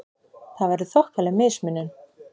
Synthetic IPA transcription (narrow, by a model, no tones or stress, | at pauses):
θaðvɛɾðʏθɔhkvalɛɣmɪsmɪnːʏn